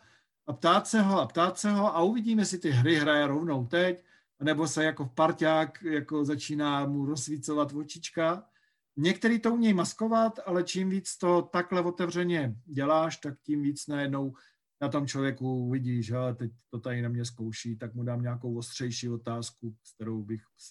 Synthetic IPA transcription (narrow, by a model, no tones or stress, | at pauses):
apt̪aːt̪sɛɦoapt̪aːt̪sɛɦo̞ʔauvɪɟiːmɛsɪt̪ɪɦɾɪɦɾajɛɾovnowt̪ɛc | anɛbo̞sɛjako̞fpaɾcaːkjako̞zat͡ʃiːnaːmuɾozvit͡sovat̪vot͡ʃɪt͡ʃka | ɲɛk̚t̪ɛɾiːt̪o̞umɲɛjmasko̞vat̪alɛt͡ʃimviːt͡st̪ot̪aklɛvo̞t̪ɛvr̝ɛɲɛɟɛlaːʃt̪akcimviːt͡snajɛdno̞w | nat̪o̞mt͡ʃlo̞vjɛkuuvɪɟiːʒɛalɛt̪ɛc̚t̪o̞t̪aɾɪnamɲɛskowʃiːt̪akmudaːmɲaako̞wost̪r̥ɛjʃiːo̞t̪aːskust̪ɛɾowbɪx